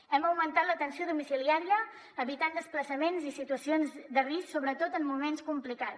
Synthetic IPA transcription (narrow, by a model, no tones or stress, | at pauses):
ɛmbəwmənt̪at̪lət̪ənsioðumisiliaɾiəː | βit̪and̪əspləsəmenzisit̪uəsionzd̪ərisksoβɾət̪ot̪əmːumenskumplikat̪